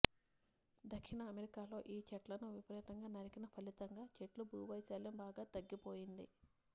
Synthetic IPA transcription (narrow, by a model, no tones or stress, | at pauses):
d̪ɐkʂinɐːmeɾikaːlo̞ːʔiːt͡ʃɐʈlɐnuʋipɐɾɛːt̪ɐŋɡaːnɐɾikinɐpʰɐlit̪ɐŋɡaːt͡ʃeʈlubuːʋɐjsɐːlɐmbaːɡaːt̪ɐɡːipo̞ːjind̪ḭ